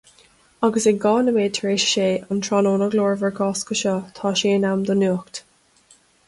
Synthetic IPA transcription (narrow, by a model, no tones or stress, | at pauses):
aɡəseɡɔːnəmeːd̚t̪ʰəɹeːʃə̥ʃeːənt̪ʰɹɔnoːnəɡloːɹvəɹɡʰɔːskəʃɔt̪ʰɑːʃeːnamd̪ənuːkt̪